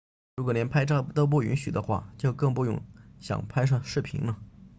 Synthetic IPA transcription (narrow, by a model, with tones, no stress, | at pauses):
ɻu˧˥kwɔ˨˩njɛ˧˥npʰa˥ɪʈ͡ʂt̪o˥˧p̬u˥˩y˧˥nɕy̰˨˩d̪ə˦xwa̰˥˩t͡ɕjo˥˧ʊkɤ˥˧ŋpu˥˧jʊ̰˥˩ŋɕjɑ̰˨˩ŋpʰa˥ɪʂ̬ʰɤ˥˧ŋʂɻ̩˥˩pʰḭ˧˥ŋnə˧